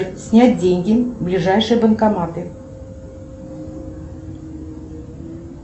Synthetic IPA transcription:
sʲnʲæt̚ʲdʲeŋʲɡʲɪblʲɪʐajʂɨjəbənkamat̪ɨ

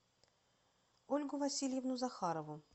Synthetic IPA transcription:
olʲɡʊvɐsʲilʲjɪvnʊzɐxaɾəvʊ

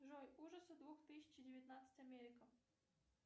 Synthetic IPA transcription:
ʐojuʐəsəd̪vuxt̪ɨsʲɪ̥t͡ɕdʲɪvʲɪt̪nat̪sə̥tʲamʲeɾʲɪkə

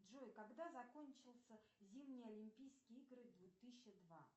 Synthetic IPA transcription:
ʐojkɐɡd̪azɐkonʲt͡ɕɪlˠsʲəzʲimnʲɪjɐlʲimʲpʲijskʲɪjiɡɾɨd̪vʊt̪ɨɕːəd̪va

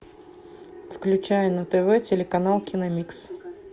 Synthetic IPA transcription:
fklʲʉt͡ɕæjʊnɐt̪ɛvɛtʲɪlʲɪkɐnalˠkʲinɐmʲiks

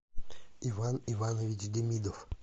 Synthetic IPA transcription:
ivanivanəvʲit͡ʃʲdʲɪmʲid̪of

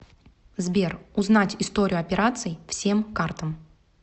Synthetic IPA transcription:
zbʲe̞rʊznatʲɪst̪o̞ɾʲɪʊɐpʲɪɾʔat̪sɨɪfsʲe̞mkart̪əm

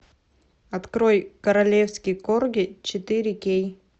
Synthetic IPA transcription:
ɐt̪kɾojkəɾɐlʲefskʲɪjkorɡʲɪt͡ɕɪt̪ɨɾʲɪkʲej

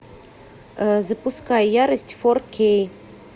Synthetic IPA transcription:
zɐpʊskajjaɾəsʲtʲfɔrkʲej

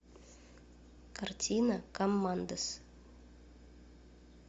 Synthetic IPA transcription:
kɐrt̪ʲinɐkomːand̪əs

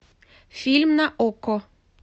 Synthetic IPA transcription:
filmnaʔɔkɔ

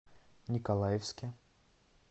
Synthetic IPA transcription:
nʲɪkɐlˠajɪfskʲɪ

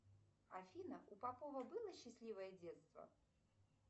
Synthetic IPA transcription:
afʲinəʔupapovəbɨlˠəɕːɪsʲlʲivəjədʲet̪st̪və̰

